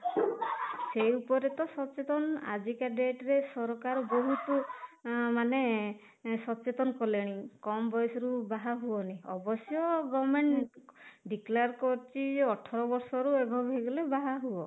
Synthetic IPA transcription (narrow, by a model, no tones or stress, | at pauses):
sejupɔɾet̪ɔsɔt͡ʃet̪ɔnɔa̰d͡ʒikaɖeʈɾesɔɾɔkaɾɔboɦut̪u | mane | sɔt͡ʃet̪ɔnɔkɔleɽ̃ikɔmbɔjsɔɾubaɦaɦuɔniɔbɔsjɔɡɔmeɳʈ | ɖikleɾkɔɾt͡ʃʰiɔʈʰɔɾɔbɔɾsɔɾuebʱɔbɦeɡɔlebaɦaɦuɔ